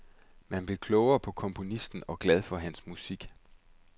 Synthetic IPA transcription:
mænb̥le̝kʰlɔʊɐpʰɒ̽kʰɒ̽mpʰo̝nisd̥n̩ɒ̽ɡ̥lɛð̞ˠfɒ̽ɦænsmusiɡ̥

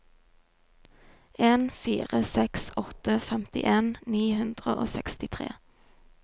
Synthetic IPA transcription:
eːnfiːʁəsɛksɔt̪əfɛmt̪ɪ̰ʔeːnniːhʉnd̪ʁəʔo̰ːsɛkst̪ɪt̪ʰʁḛː

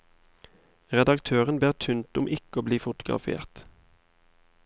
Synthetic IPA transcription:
ʁɛd̪ɑkt̪ʰøːʁənbeːʁt̪ʰʉnt̪ʊmʔɪkoːbliːfʊt̪ʊɡʁɑ̰fḛːʁt̪

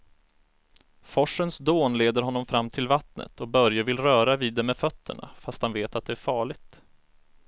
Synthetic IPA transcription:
fɔʂːənsd̪oːnleːd̪əɾɦɔnːɔmfɾamːt̪ʰɪlvat̪nə̰t̪ʰɔk̚bœɾjavɪlɾœːɾaviːd̪ɛmɛfœt̪ʰːə̰ɳa̰fast̪hanveːt̪at̪̚d̪ɛæɾfɑːɭɪɡt̪

